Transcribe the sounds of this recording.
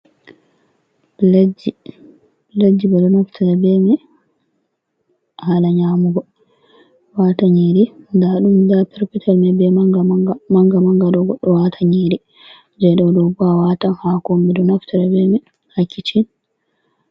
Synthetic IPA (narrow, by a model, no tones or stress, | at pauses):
ld͡ʒi | lad͡ʒːibɛɗɔnaftʰaɾabɛmɛ | halaɲaːmuɡɔ | waːtaɲeɾindaɗumdapɛɾpitʰalmɛbɛaɡamaŋɡamaŋɡaɗɔɡɔɗːɔwatʰaɲeːɾi | d͡ʒɛɗɔwdɔbawatanhakombɛdɔnaftaɾabɛmɛ | hakʰːit͡ʃin